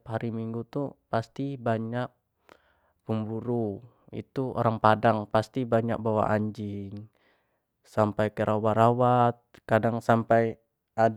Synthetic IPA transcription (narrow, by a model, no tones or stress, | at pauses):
pɦaɾimiŋɡut̪upast̪ibaɲak̚ | pəmbuɾu | ḭt̪uo̰ɾaŋpadaŋpast̪ibaɲa̰k̚bawa̰ʔaɲd͡ʒɪŋ | sampajkəɾʔawaɾawat̪̚kadaŋsampaj | a